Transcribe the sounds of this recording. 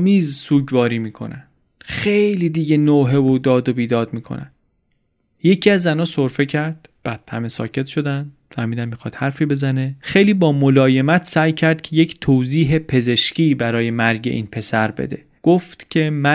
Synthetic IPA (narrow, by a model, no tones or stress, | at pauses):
miːzsuːɟvɒːɾiːmiːkʰo̞̰næn̥ | xejjlid̪iɟenoːɦe̞vod̪ɒːd̪obiːd̪ɒːd̪̚miːkʰo̰næ̰n | je̞cʰiːæzːænɒːso̞ɾfe̞cʰæɾd̪̥b̥æd̪̥̚hæme̞sɒ̰ːcʰe̞t̪ʰʃo̞d̪ænd̪fæɾmiːd̪æmːixɒːt̪hæɾfiːbe̞zæne̞xe̞jliːbɒːmolɒːje̞mæt̪ʰsæːjcʰæɾd̪̥̚cʰeje̞cʰt̪ʰoːziːɦe̞pʰe̞ze̞ʃcʰiːbæɾɒːje̞mæɾɟe̞̰ʔḭːnpʰe̞sæɾbe̞̰d̪e̞̰ | ɡ̥oft̪cʲʰe̞mæ